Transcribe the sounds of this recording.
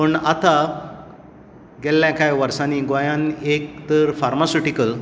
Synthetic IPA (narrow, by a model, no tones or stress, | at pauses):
pəɳat̪a | ɡɛlːãkajʋəɾsaniɡojãnek̚t̪əɾfaɾmasuʈikəl